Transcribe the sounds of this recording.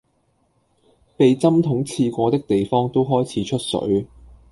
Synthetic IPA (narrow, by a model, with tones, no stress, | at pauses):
pe˨jt͡sɐ˥mt̪ʰʊ˨˥ŋt͡sʰiː˧kʷɔː˧t̪ɪ˥k̚t̪e˨jfɔː˥ŋt̪o˥wɦɔː˥jt͡sʰiː˨˥t͡ʃʰɵ˥t̚sɵ̰˨˥ɥ